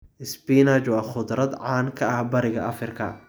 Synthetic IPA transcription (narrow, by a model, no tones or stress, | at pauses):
ʔɪsbinat͡ʃwɑːχʊd̪ɾɐd̪ʕɑːnkʰɐɐhbɐɾɪɣɐɐfɪrkʰɐ̰